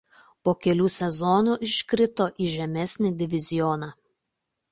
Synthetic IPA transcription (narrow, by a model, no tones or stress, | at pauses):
poːkʲɛlʲuːsʲɛzɔnuːʔɪʃʲkɾʲɪt̪oːʔiːʒʲɛmʲɛsʲnʲɪd̪ʲɪʋʲɪzʲɪjɔnɑ